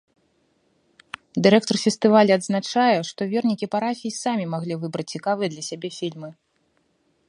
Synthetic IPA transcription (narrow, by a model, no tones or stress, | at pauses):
d̪ɨɾɛk̚t̪ɔrfʲɛst̪ɨvalʲiɐd̪znat͡ʂajɛʂt̪ɔvʲɛrnʲikʲipaɾafʲijisamʲimaɣlʲivɨbɾɐt͡sʲt͡sʲikavɨjɐd̪lʲɐsʲabʲɛfʲilʲmɨ